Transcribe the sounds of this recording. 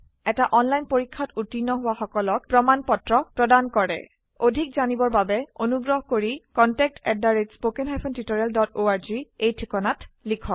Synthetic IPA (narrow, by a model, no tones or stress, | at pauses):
ɛtaʔɔnlajnpoɹikʰːatutinːɔɦʊwaxɔkɔlɔk̚pɹɔmanpɔtɹɔpɹɔdankɔɹɛ̰ | odʱikzanibɔɹbabɛonuɡɹɔɦɔkoɹikɔntɛk̚tɛdːaɹetspokɛnɦajpʰɔntitoɹɛldɔtoaɹziejtʰikɔnatlikʰɔk̚